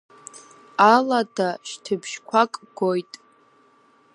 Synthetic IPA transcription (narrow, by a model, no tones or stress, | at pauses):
aladʰaʃtʰɨbʰʃkʷʰakʼɡojtʼ